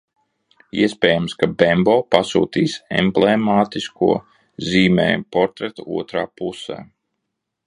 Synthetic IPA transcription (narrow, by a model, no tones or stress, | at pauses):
ḭɛspʲɛːjamskabɛmbɔːpasṵːt̪iːsɛ̰mblemaːt̪iskuɔ | ziːmɛ̰ːpɔɾt̪ɾɛt̪uṵɔt̪ɾaːpusɛ̰ː